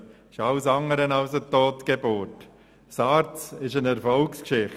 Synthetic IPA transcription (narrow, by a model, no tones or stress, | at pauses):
ɪʃɑlsɑŋəɾənɑʊsətoːtɡ̥ebʊːɾt | sɑːɾt͡sɪʃənɛɾfɔlkskʃɪχ